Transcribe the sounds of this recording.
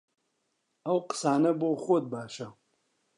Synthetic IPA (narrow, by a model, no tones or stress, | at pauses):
ɐwqɨ̥saːnɐboːxod̪̚baːʃɐ